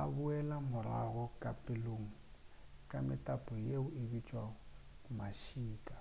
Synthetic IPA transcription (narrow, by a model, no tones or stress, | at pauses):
a̰bʊɛlamʊra̰ɣɔkʼapʼeloːŋ̩kʼamɪtʼapʼɔjeʊɪbit͡ʃʼwa | maʃiːkʼḁ